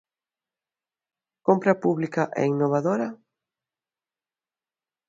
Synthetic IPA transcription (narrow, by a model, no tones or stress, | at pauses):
kompɾɐpuβlikaʔɛ̰inːoβ̞aðoɾɐ